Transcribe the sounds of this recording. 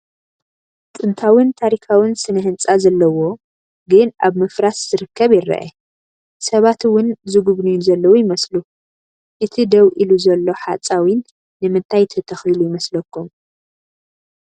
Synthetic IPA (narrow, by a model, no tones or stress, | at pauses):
t̪ʼɨnt̪ʰawɨnt̪ʰaɾikʰawɪnsɨnɐɦɨnt͡sʼazɐlːɐwo̞ | ɡɨnʔaβmɨfɾasz̥ɨɾɨkːɐβjɪɾɐ̰ʔɐ | sɐβat̪wʊnzɨɡuβnujzɐlːɐwujɪmɐslu | ʔɨt̪ʰid̪ɐwʔiluzɐlːo̞ħat͡sʼawinː | ɨmɨnt̪ʰajt̪ʰɐt̪ʰɐxilujɪmɐslɐkːum